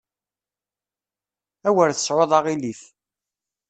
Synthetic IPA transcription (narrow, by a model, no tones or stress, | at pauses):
æwəɾθə̥sʕoðˤɑʁiliθ